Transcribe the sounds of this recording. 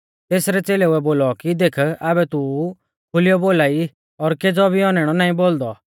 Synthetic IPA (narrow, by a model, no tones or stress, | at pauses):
t̪eːsɾɛt͡seːlɛuɛboːlɔkid̪eːkʰaːbɛt̪u | kʰʊlɪjɔboːlaːi | ɔɾked͡zɔbʱiɔnɛɽ̃ɔnãːĩboːld̪ɔ